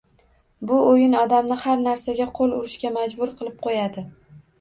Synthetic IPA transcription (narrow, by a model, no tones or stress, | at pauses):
bʊojɪnɒd̪amnɪhaɾnaɾsaɡʲaqʰolˠʊɾɪʃkʲamad͡ʒbʊɾqʰɨlˠɪp̚qʰojad̪ɪ